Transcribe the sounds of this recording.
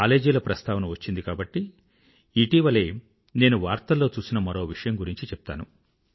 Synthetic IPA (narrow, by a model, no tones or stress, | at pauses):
aːle̞ːd͡ʒilɐpɾɐst̪ʰaːʋɐnɐʋɐt͡ʃːind̪ikaːbɐʈːi | iʈiːʋɐle̞ː | ne̞ːnuʋaːɾt̪ɐlːo̞ːt͡ʃuːsinɐmɐɾo̞ːʋiʂɐjɐmɡuɾiɲt͡ʃit͡ʃɛp̚t̪a̰ːnu